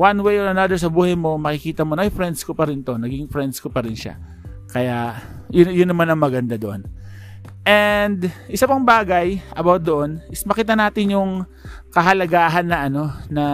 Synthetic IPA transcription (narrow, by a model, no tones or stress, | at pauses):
wanwejoɹɐnɐd̪ɛɹs̬ɐbuːhɐjmo̞mɐkɪkiːt̪ɐmonoʔojfɾɛnd̪skopɐɾɪnt̪o̞nɐɡɪŋfɾɛnd̪̚skopɐɾɪnʃa̰ | kɐja | jʊjʊnːɐmanɐŋmɐɡɐnd̪ad̪oʔon | ʔɛnd̪ʔɪsapɐŋbaːɡɐjʔɐbawt̪̚d̪oʔo̞nɪsmɐkiːt̪ɐnaːt̪ɪnjʊŋ | kɐɦɐlɐɡaːɦɐnːɐʔɐno̞nɐ